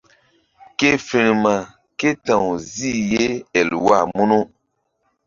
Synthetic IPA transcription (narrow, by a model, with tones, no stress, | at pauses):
ke˦fe˨ɾi˨ma˨ | ke˦tã˨wzi˦je˦ɛ˨lwa˦˨mu˦nu˦